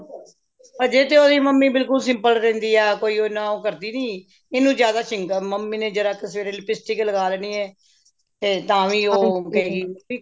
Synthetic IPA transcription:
pəɾd͡ʒeːt̪eːoːd̪iːməmːiːbɪlkʊlsɪ̃mpəlɾɛ̃ːnd̪iːɛːkoːiːoːɪnːãːoːkəɾd̪iːnĩː | ɪnũːd͡ʒjaːd̪aːʃɪ̃ŋkəməmːiːnẽːd͡ʒəɾãːkɪsʋeːɾeːlɪpɪsʈiːkləɡaːlɛːniːɛː | t̪eːt̪ãːʋiːoːkəɦeːɡiːiː

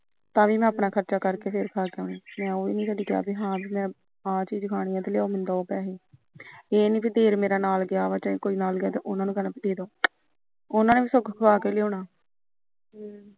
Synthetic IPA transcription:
t̪ãːʋiːmɛ̃ːəpnaːkʰəɾt͡ʃaːkəɾkeːpʰɪɾkʰaːkeoːniːmɛ̃ːoːḭːnĩːsəɖiːɡeja̰ːbiːɦãːbiːmɛ̃ː | ɦãːt͡ʃiːd͡ʒkʰaːɽ̃ɪjãːt̪ːlɪjaːoːmɪ̃nd̪aːoːpɛːɦeː | eːnĩːpid̪eːɾmeːɾaːnaːlɡɪjaːʋaːt͡ʃə̃ːẽːkoːiːnaːlɡɪaːt̪eːʔʊnãːnũːɡənãːpid̪eːd̪oː | ʊnãːneːbiːsʊkʰkʰaːkeːleoːɳaː

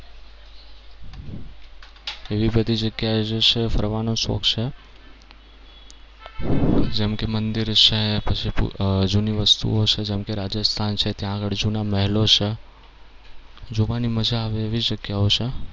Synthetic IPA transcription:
eʋibəd̪id͡ʒəɡjad͡ʒet͡ʃʰefʰə̰ɾʋanõso̰kt͡ʃʰe | d͡ʒemkemənd̪iɾʃepət͡ʃʰipṵd͡ʒuniʋəst̪ṵot͡ʃʰed͡ʒemkeɾad͡ʒəst̪ʰant͡ʃʰet̪jãːɡəɭd͡ʒunaməɦɛlot͡ʃʰe | d͡ʒoʋaniməd͡ʒaːʋeːʋid͡ʒəɡjaot͡ʃʰe

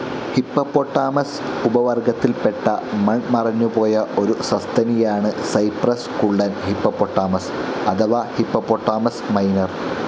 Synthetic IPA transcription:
hipːɐpːoʈːaːmɐs | ubɐʋɐrɡɐt̪ːilpeʈːɐmɐɳmɐrɐɲːupo̞ːjɐʔo̞ɾusɐst̪ʰɐnijaːɳɨsɐjprɐskuɭɖɐnhipːɐpːoʈːaːmɐsɐd̪ɐʋɐhipːɐpːoʈːaːmɐsmɐjnɐr

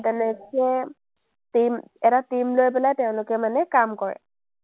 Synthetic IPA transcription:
dɛnɛkɛ | timɛtatimlojpɛlajteʊ̃lʊkɛmanɛkamkɔɹɛ̰

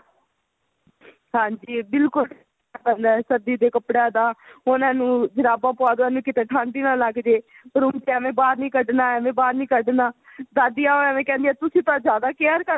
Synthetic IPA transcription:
ɦãːɲd͡ʒiːbɪlkʊlʈʰ | aːpɛ̃nd̪aːsəd̪iːd̪eːkəpɽãːd̪aːʊnãːnũːd͡ʒəɾaːbãːpoaːd̪ãːnũːkɪt̪eːʈʰãːɳɖiːnaːləɡd͡ʒ̪eː | pəɾʊmt͡ʃːmẽːbaːɾnĩːkəɖnaːəmẽːbaːɾnĩːkəɖnaːd̪aːd̪ijaːomẽːkɛ̃ːnd̪iɛːt̪ʊsĩːt̪ãːzjaːd̪aːkeəɾkəɾ

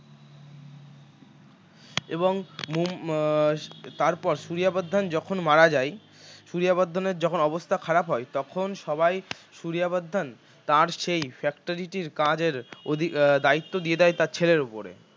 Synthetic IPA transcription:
eboŋmu | t̪aɾpɔɾʃuɾijabad̪ʱːand͡ʑɔkʰonmaɾad͡ʑaj | ʃuɾiabad̪ʱːaneɾd͡ʑɔkʰonɔbost̪ʰakʰaɾapɦɔet̪ɔkʰonʃɔbajʃuɾijabad̪ʱːan | t̪aɾʃejfɛkʈoɾiʈiɾkãd͡ʑeɾod̪ʱid̪ait̪ːod̪ijed̪ajt̪aɾt͡ɕʰeleɾupoɾḛ

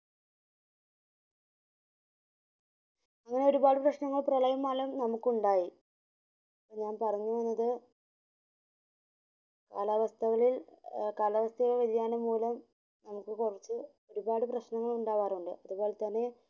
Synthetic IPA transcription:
ɐŋːɐne̞o̞ɾubaːɽɨprɐɕnɐŋːɐɭprɐɭɐjɐmːaːlɐmnɐmukːuɳɖaːji | ɐpːoːɲaːnpɐrɐɲːuʋɐnːɐðɨ | kaːlɐʋɐst̪ʰɐɣɐɭilkaːlɐʋɐst̪ʰɐɣɐɭʋɐðijaːnɐmuːlɐm | nɐmukːɨkurit͡ɕːɨ | o̞ɾubaːɽɨprɐɕnɐŋːɐɭuɳɖaːʋaːruɳɖɨ̰ʔɐðuboːlt̪ɐnːe̞

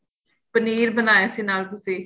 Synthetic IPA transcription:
pəniːɾbənaːjaːsiːnaːlt̪ʊsĩː

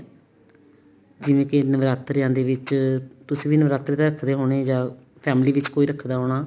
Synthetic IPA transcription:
d͡ʒɪʋẽːkɪnəʋɾaːt̪ɾɪjãːd̪eːʋɪt͡ʃt̪ʊsẽːʋiːnəʋɾaːt̪ɾeːt̪eːɾəkʰd̪eːɦoːɽ̃eːd͡ʒãː | pʰɛːmliːʋɪt͡ʃkoːiːɾəkʰd̪aːɦoːɽaː

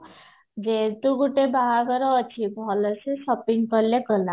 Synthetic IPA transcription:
d͡ʒet̪uɡuʈebaɦaɡɔɾɔːt͡ʃʰibʱɔlɔsesɔpiŋkɔɾlekɔla

